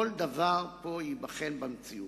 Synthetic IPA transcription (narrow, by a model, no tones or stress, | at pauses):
old̪avaʁpo̞jibaχenbamt͡siu